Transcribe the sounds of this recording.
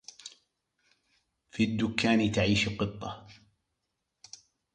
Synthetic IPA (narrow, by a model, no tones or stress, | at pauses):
fid̪ːʊkʰːaːnt̪aʕiːʃqɨt̪ˤːɑ̰